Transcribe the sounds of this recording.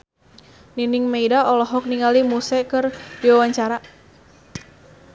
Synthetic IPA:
ninɪŋmejdaʔɔlɔɦɔk̚niŋalimusɛkɨrdiwawaɲt͡ʃaɾa

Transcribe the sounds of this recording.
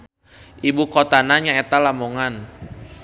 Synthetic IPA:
ʔibukot̪anaɲaɛt̪alamoŋan

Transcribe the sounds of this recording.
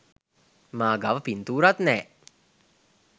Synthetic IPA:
maːɡaʋəpint̪uːɾat̪nɛː

